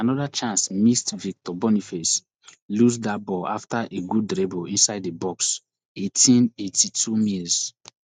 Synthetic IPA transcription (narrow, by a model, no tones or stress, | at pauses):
anɔdat͡ʃãnsmistvik̚tɔbɔnifɛs | lusdabɔa̰ftaʔeɡudɾɛboĩnsaɪdebɔks | etʰĩnetʰitʰumis